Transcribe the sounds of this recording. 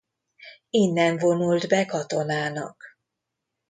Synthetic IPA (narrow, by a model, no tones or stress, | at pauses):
inːɛɱvo̞nuld̪bɛkɒt̪o̞naːnɒ̰k